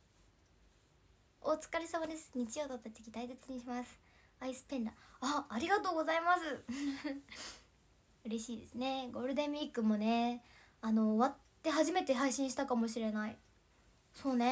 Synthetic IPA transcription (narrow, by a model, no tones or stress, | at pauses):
o̞t͡sɨ̥kaɾʲisamad̪e̞sɨ̥ɲ̟it͡ɕiʑo̞ːt̪ot̪ːot̪ekʲit̪aise̞t͡sɨɲ̟iɕimasɨ̥ | aisɨ̥pẽ̞nd̪aaːɾʲiɡat̪oːɡo̞zaimasɨ | ɯ̟ɾe̞ɕiːd̪e̞sɨne̞ɡo̞ɾɯ̟d̪ẽ̞mʲiːkɯ̟mo̞ne̞ | ano̞βat̪ːe̞ɦaʑime̞t̪e̞ɦaiɕĩɕi̥t̪akamo̞ɕ̬iɾe̞nai | so̞ːne